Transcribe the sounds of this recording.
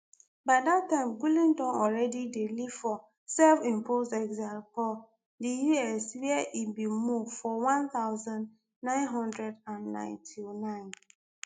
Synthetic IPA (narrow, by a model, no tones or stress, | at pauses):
baɪdatːãɪ̃mɡulĩndɔ̃nɔlɾɛdidelifɔ | sɛlfĩmpozɛɡzalkɔ | dijuɛswɛɛʔibimuvfɔwãnθaʊzãnː | ãɪ̃nɦɔ̃ndɹɛdãnnã̰ɪ̃ntʰinãɪ̃n